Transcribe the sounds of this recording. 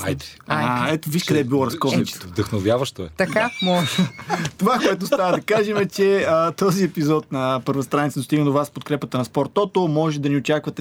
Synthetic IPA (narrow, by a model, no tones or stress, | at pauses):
a̰jt̪ɛaɛt̪oviʃkɐd̪ɛbilˠɔɾɐskɔznit͡ʃɛ̥t̪vd̪ɐxnovʲjavəʃt̪oɛt̪ɐkamɔʒt̪ovakoɛt̪ost̪avəd̪ɐkaʒɛmɛt͡ʃɛət̪ɔziɛpizɔt̪̚nɐpəɾvɐst̪ɾanit̪sd̪ost̪iɡənovaspot̪̚kɾɛpət̪ɾɐnspɔɾt̪ɔt̪omɔʒɛd̪ɐniot͡ʃakvɐt̪ɛ